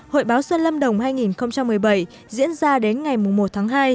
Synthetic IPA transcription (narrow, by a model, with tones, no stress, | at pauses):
ho̰˧˨jɓaː˨˦wsə˧nlə˧mɗə˨˩wŋ͡mhaː˧jŋi˨˩nxə˧wŋ͡mt͡ɕa˧mː˨˩əjɓə˧˩j | zḭ˧˥ənzaː˧ɗe˨˦nŋa˨˩jmʊ˨˩ŋ͡mmo˨˩t̚t̪ʰaː˨˦ŋɦaː˧j